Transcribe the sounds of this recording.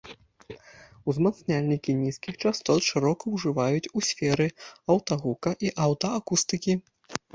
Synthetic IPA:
uzmat̪snʲalʲnʲikʲinʲiskʲixt͡ʂast̪ɔt̪ʂɨɾɔkɐwʐɨvajut͡sʲusʲfʲɛɾɨɐwt̪ɐɣukɐʔiʔawt̪ɐakust̪ɨkʲi

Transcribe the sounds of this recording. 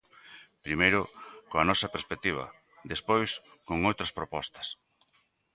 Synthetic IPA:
pɾimejɾʊkoɐnɔsɐpeɾspek̚t̪iβ̞ɐ̰ | ðespojs | koŋowt̪ɾɐspɾopɔst̪ɐ̥s

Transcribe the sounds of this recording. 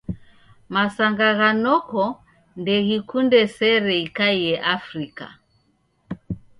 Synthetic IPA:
masaŋɡaɣanɔkɔ | ndɛɣikundɛsɛɾɛikaiɛʔafɾika̰

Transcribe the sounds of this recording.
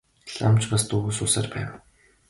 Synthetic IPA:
ɮa̰mt͡ɕpast̪uɣuːsʊːsaːrpæ̰ːw

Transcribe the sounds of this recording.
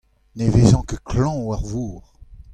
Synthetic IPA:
nevezɑ̃kəkʰlɑ̃waʁvuːʁ

